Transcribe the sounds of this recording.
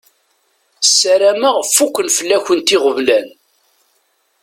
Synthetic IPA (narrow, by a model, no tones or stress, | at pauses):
sːæɾæməʁfukʷːənfəlːæçənt̪iʁəvlæn